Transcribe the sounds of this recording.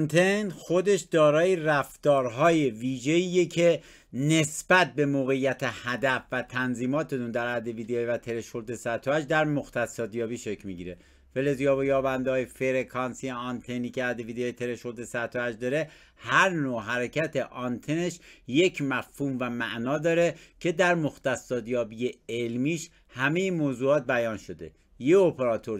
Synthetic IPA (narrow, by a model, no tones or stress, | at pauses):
nt̪ʰenxo̞d̪e̞ʃd̪ɒːɾɒːjeræft̪ɒːɾɦɒːje̞viːʒeiːjecʰe | ne̞sb̥æt̪̚be̞moːɣe̞jːæt̪ʰehæd̪æfvæt̪ʰænziːmɒːt̪ʰet̪und̪æɾæd̪e̞viːd̪eːivæt̪ʰeleʃold̪esæɾt̪ʰoæd͡ʒd̪æɾmoxt̪æsɒːd̪jɒːbiːʃe̞cʰmiːɟiːɾe | fe̞lezijɒːbojɒːbænd̪eɒːjefeɾekʰɒnsieɒnt̪ʰeniːkeæd̪eviːd̪eɒːjet̪ʰe̞leʃold̪esæt̪ʰoæd͡ʒd̪ɒːɾe̞ | hæɾnoːɦæɾecʰæt̪ʰeʔɒnt̪ʰeneʃje̞cʰmæfhuːmvæmæʔnɒːd̪ɒːɾecʰe̞d̪æɾmoxt̪æsːɒːd̪jɒːbijeelmiːʃ | hæme̞jemoːzuːɒːt̪̚bæjɒːnʃo̞d̪e̞̰ | jeopʰeɾɒːt̪ʰo̞ɾ